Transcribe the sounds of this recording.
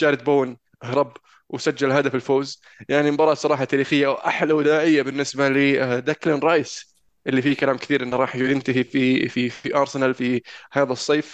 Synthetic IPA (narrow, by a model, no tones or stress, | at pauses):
ʃaːɾɪd̪̚boːn | ʔhɾˤɑb | wsad͡ʒːalɦaːd̪afɪlfoːz | jaʕnibɑɾˤɑsˤɑɾˤɑːħɑt̪aːɾiːxɪjːawʔa̰ħlawd̪aːʕɪjːabɪnːɪsbalɪd̪aklɪnɾˤɑjs | ʔɪlːifikalaːmkɪθiːɾʔɪnːɾˤɑːħjd̪ɪnt̪aɦififiiʔɑːɾˤsɪnalfihaːðasˤːeːf